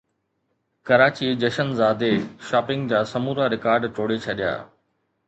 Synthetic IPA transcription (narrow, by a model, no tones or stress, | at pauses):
kɐɾaːt͡ɕid͡ʑɐʃənzaːd̪eʃaːpɪ̃ŋɡd͡ʑaːsɐmuːɾaɾɪkaːɾɖʈoːɽet͡ɕʰɐɗja̰ː